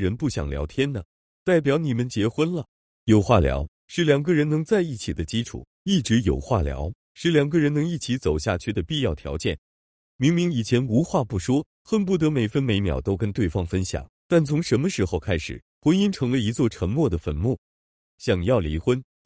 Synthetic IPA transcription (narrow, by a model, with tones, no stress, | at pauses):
ɻə˧˥npu˥˩ɕjɑ̰˨˩ŋljɑ̰˧˥ʊt̪ʰjɛ˥nnə˨ | t̪a˥˩ɪp̬jɑ˧˥ʊni˨˩mə˧˦nt͡ɕjɛ˧˥xwə˥nlə˨ | jo˨˩ʊxwa˥˩ljɑ̰˧˥ʊ | ʂɻ̩˧˥ljɑ˨˩ŋɡə˧ɻə˧˥nnɤ˧˥ŋt͡sa˥˧ɪi˥˩t͡ɕʰi˨˩d̪ə˦t͡ɕi˥ʈ͡ʂʰṵ˨˩˦ | i˥˩ʈ͡ʂɻ̩˧˥jo˨˩ʊxwa̰˥˩ljɑ̰˧˥ʊ | ʂɻ̩˧˥ljɑ˨˩ŋɡə˧ɻə˧˥nnɤ˧˥ŋi˥˩t͡ɕʰi˧˥t͡so˨˩ʊɕja̰˥˧t͡ɕʰy˥˩d̪ə˩pi˥˧jɑ˥˩ʊt̪ʰjɑ̰˧˥ʊt͡ɕjɛ˥˩n | mi˧˥ŋmi˧˥ŋi˨˩t͡ɕʰjɛ˧˥nu˧˥xwa˥˧pu˥˩ʂwɔ˥ | xə˥˧np̬u˥˩t̪ɤ˧˥me˨˩ɪfə˥nme˧˥ɪmjɑ̰˨˩ʊt̪o˥ʊkə˥nt̪we˥˩ɪfɑ˥ŋfə˥nɕjɑ̰˨˩˦ŋt̪a˥˩nt͡sʰʊ˧˥ŋʂə˧˥nmə˧ʂɻ̩˧˥xo˥˧ʊkʰa˥ɪʂɻ̩̰˨˩˦ | xwə˧˥ni˥nʈ͡ʂʰɤ˧˥ŋlə˧i˧˥t͡swɔ˥˩ʈ͡ʂʰə˧˥ŋmwɔ˥˩d̪ə˩fə˧˩nmu˥˩ | ɕjɑ˨˩ŋjɑ˥˩ʊlḭ˧˥xwə˥n